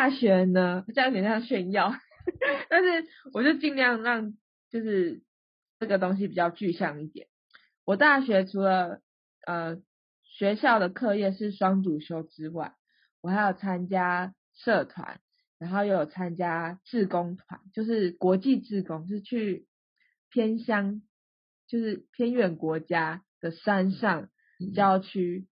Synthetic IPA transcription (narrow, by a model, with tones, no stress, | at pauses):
ta˥˩ɕɥɛ˧˥nə˧˨˩t͡ɕŋ˥˨˩jɕɛ˥˧njɑ˥˨ʊ | t̪a˥˧nʂɻ̩˥˩ | wɔ˨˩t͡ɕjo˥˧ʊt͡ɕi˥˧nljɑ˥˧ŋɻɑ˥˧ŋ | t͡ɕjo˥˧ʊʂɻ̩˥˧ | ʈ͡ʂə˥˩ɡə˩t̪̬o˥ŋɕ̬i˧pi˨˩t͡ɕjɑ˥˧ʊt͡ɕy˥˧ɕjɑ˥˧ŋi˥˩t̪jɛ̰˨˩˦n | wɔ˨˩t̪a˥˩ɕɥɛ˧˥ʈ͡ʂʰu˧˥lə˨ | ʔə˨˩ | ɕɥɛ˧˥ɕjɑ˥˩ʊd̪ə˩kʰɤ˥˧jɛ˥˧ʂɻ̩˥˩ʂwɑ˥ŋt͡su˨˩ɕjo˧˥ʊʈ͡ʂɻ̩˦wa˥˩ɪ | wɔ˨˩xa˧˥ɪjo˨˩ʊt͡sʰa˦˥nt͡ɕja˥ | ʂɤ˥˨t̪ʰwa̰˧˦n | ɻa˧˥nxo˥˧ʊje˥˧˩jo˨˩t͡sʰa˦nt͡ɕja˦˥t͡sɹ̩˥˩ko˦ŋt̪ʰwa̰˧˦nt͡ɕjo˥˧ʊʂɻ̩˥˩kwɔ˧˥t͡ɕi˥˧˨t͡sɹ̩˥˩ko˦ŋʂ̬ɻ̩˥˧t͡ɕʰy˥˩ | pʰjɛ˥nɕjɑ˥ŋ | t͡ɕjo˥˧ʊʂɻ̩˥˩pʰjɛ˥nɥɛ˨˩nkwɔ˧˥t͡ɕja˥d̪̥ə˨ʂa˦nʂɑ˥˩ŋ | t͡ɕjɑ˥ʊt͡ɕʰy˥